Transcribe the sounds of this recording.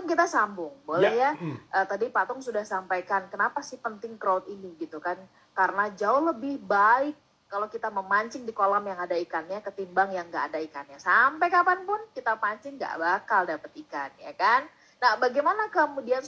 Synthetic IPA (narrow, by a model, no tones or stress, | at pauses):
nkit̪asambʊŋbolɛhjaʔət̪adipat̪ɔŋsudahsampajkankənapasɪhpənt̪ɪŋkɾat̪iniɡit̪ukan | kaɾənad͡ʒaʊhləbɪhbaɪkː | alowkit̪aməmaɲt͡ʃɪŋdikolamjaŋadaikanɲakət̪imbaŋjaŋɡaːdaikanɲasampɛkapanpʊnkit̪apaɲt͡ʃɪŋɡa̰ʔbakaldapət̪ikanjakanː | ahbaɡajmanakəmudian